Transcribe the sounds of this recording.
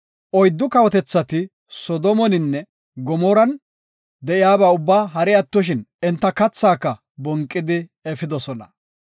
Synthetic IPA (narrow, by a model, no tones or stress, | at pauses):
ʔɔjd̪ːʊkɐwɔt̪ɛt͡sːɐt̪ɪ | sɔd̪ɔmɔnɪnːɛ | ɡɔmɔɾɐn | d̪ɛʔɪjaːbaːʊbːaːɦɐɾɛɐt̪ːɔʃ̬ɪnɛnt̪ːɐkɐt͡sːaːkːɐ | bɔŋkʼːɪd̪ɪɛfɪd̪ɔsɔnɐ